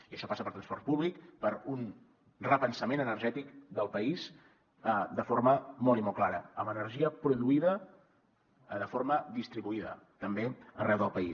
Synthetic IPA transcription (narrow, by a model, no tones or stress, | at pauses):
iəʃɔpasəpəɾt̪ɾənspɔrt̪̚puβlikpəɾun | rəpənsəmenənərʒɛt̪ikd̪əlˠpəis | əd̪əforməmɔlˠimɔlˠklaɾə̰əmənərʒiəpɾuðuiðə | ðəfoɾməðist̪ɾiβuiðə̰ | t̪əmbeə̰rɛwðəlˠpəis